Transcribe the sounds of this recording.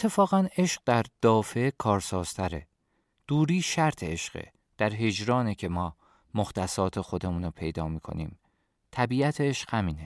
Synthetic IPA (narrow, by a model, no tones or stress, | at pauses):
et̪ʰːe̞fɒːɣæne̞ʃɢ̚d̪æɾd̪̥ɒːfe̞kʰɒːɾsɒːz̥t̪ʰæɾḛ | d̪̥uːɾiːʃæɾt̪ʰeeʃɢ̥ḛ | d̪̥æɾɦe̞d͡ʒɾɒːnecʰe̞mɒː | moxt̪æsɒːt̪ʰe̞xo̞d̪e̞muːnopʰe̞jd̪ɒːmiːkʰo̞̰nḭːm | t̪ʰæbiːæt̪ʰeeʃɢ̥hæmiːne